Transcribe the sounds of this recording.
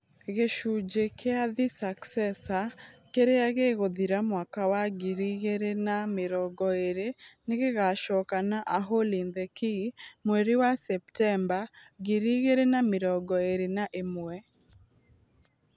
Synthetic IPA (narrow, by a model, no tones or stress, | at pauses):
ɣeʃud͡ʒekʰeaðisaksɛsakeɾeaɣeɣoðiɾamwakawaɡiɾiɣeɾenamɪɾɔɡɔeɾeneɣeɣaʃɔkanaʔaɦolind̪ɛkimweɾiwasɛp̚tɛmbaɡiɾiɣeɾenamɪɾɔɡɔeɾenaʔemwɛ